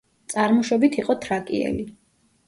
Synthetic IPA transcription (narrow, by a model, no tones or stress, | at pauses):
t̪sʼaɾmɔʃɔbit̪ʰiqʼɔt̪ʰɾakʼiɛ̰li